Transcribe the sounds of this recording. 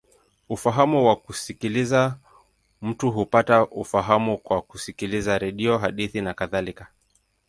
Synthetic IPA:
ufaɦamuwakusikiliza | m̩tuɦupataufaɦamukwakusikilizaɾɛɗiɔɦaɗiθinakaðalika

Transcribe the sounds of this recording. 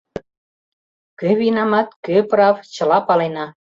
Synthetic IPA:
køβinɑmɑt̪̚køprɑvt͡ɕəlɑpɑlenɑ

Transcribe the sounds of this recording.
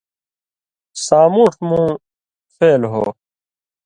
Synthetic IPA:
saːmuːʈmũː | feːlɦo̰ː

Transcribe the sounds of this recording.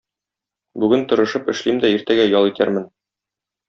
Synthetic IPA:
bʉɡɘnt̪ŏɾɤ̆ʃɤpɘ̆ʃlimd̪æiɾt̪æɡæjɒlˠit̪æ̰ɾmɘn

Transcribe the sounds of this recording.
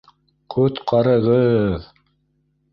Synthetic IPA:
kʰʉt̪qɑɾɤ̆ʁɤð

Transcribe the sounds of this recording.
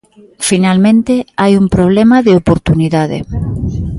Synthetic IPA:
finalmẽnt̪eajumpɾoβ̞lemaðeopoɾt̪uniðaðḛ

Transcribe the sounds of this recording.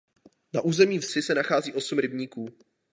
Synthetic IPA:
naʔuːzɛmiːfsɪsɛnaxaːziːʔo̞sumɾɪbɲiːkuː

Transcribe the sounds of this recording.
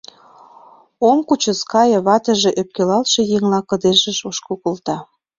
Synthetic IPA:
omkut͡ɕə̆skɑjɤ̆βɑt̪ə̆ʒe̽ʔøp̚kelɑlʃĕjeŋlɑkə̆d̪eʒə̆ʃoʃkokolt̪ɑ

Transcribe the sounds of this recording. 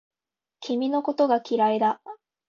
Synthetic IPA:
kʲʰimʲino̞ko̞t̪o̞ɡakʲiɾaid̪a

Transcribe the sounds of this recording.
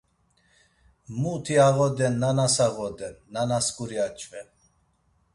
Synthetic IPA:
mut̪ʰiaɣɔd̪ɛnːanasaɣɔd̪ɛnːanaskʼuɾiat͡ʃʼvɛ

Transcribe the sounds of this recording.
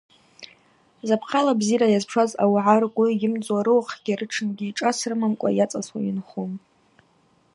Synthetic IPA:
zapʰχalabziɾajazpʰʂaza̰wʕarkʷʼijɪmt͡sʼwaɾɨwχɡ̥ʲirɨʈ͡ʂʰɨnɡʲiːʈ͡ʂʼasrɨmamkʷʼa̰jat͡sʼaswainχum

